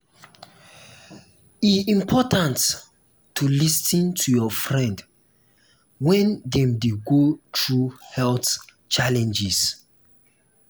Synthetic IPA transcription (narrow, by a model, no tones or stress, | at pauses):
iĩmpʰɔtãnt | tːulisĩntʰujɔfɹɛ̃nd | wɛ̃ndɛ̃mdeɡotɹuhɛlθ | t͡ʃalɛ̃nd͡ʒis